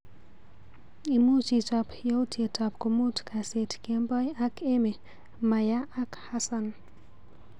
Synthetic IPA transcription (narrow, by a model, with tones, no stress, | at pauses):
i˨mu˦t͡ʃitɔpjo˦wtʰje˨tɔ˨p̚komu˦tkʰase˨tke˦mbɔ˦ja˦kʰe˦me˨ | maja˦a˦khasan